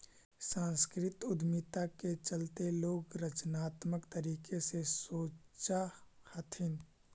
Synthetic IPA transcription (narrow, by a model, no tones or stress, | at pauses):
sãːnskɾɪt̪ʊd̪mit̪aket͡ʃəlt̪eloːɡɾət͡ʃnaːt̪məkt̪əɾiːkesesoːt͡ʃa | hət̪ʰɪn